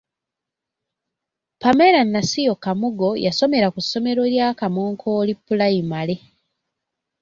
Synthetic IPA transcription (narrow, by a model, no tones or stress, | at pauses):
pameɾanːasijo̞kamuɡo̞jaso̞me̞ɾakusːo̞me̞ɾo̞ljaːkamoːŋkʰo̞ːlipːulaimale̞